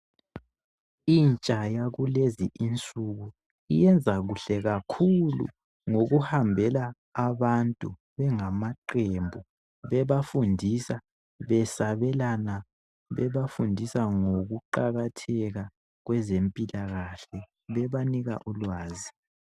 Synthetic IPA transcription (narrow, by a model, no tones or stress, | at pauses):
int͡ʃʼajaɣuleziʔint͡sʼuɣu | ḭjɛnd͡zʱaɣuɬɛɣakʰulṵ | ŋoɣuhambʱɛlaː | βantʼu | βɛŋamaǃembʱu | βɛβafundʱisa | βɛsaβɛlana | βɛβafundʱisaŋoɣuǃaɣatʰɛɣa | ɣwɛzempʼilaɣaɬɛ | βɛβaniɣa̰ʔulwaːzi